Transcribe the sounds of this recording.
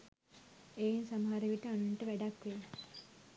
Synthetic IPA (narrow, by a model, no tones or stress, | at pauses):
ejinsaməɦaɾeʋiʈəanuɳʈəʋæɖakʋe